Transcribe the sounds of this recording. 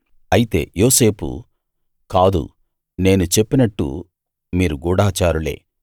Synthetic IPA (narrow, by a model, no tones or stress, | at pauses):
ɐjit̪e̞̰ːjo̞ːse̞ːpṵ | kaːd̪ṵ | ne̞ːnut͡ʃe̞pːinɐʈːṵ | miːɾuɡuːɽaːt͡ʃaːɾule̞̰ː